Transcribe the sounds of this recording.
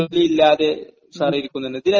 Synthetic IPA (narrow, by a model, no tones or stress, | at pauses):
lːiilːaːðe̞ | sɐrijiɾikʲːunːɐeɳːɖɨd̪inɐ